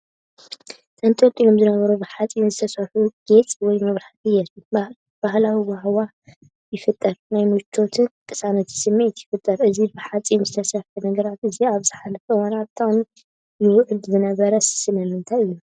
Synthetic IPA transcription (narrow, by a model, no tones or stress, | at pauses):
t̪ʰɐnt̪ʰot̪ʼːilo̞mzɨnɐβɐɾubɨħat͡sʼinzɨt̪ʰɐsɐħuɡ̥et͡sʼwɔjmɐβɾaħt̪ʼɨjat̪u | b̥ahlawibahwa | jɪfɨt̪ʼːɐɾnajmut͡ʃʰo̞t̪ʰɨnk̪ʼɨ̥sanɐt̪ʰji̥sɨmːet̪jɪfɨt̪ʼːɐɾɨzibɨħat͡sʼinzɨt̪ʰɐsɐħunɐɡɐɾat̪ɨziaβzɨħalɐfɐwanabt̪ʰam | jɪwʊʕɨd̪zɨnɐβɐɾɐssɨlɐmɨnt̪ʰajɨjːu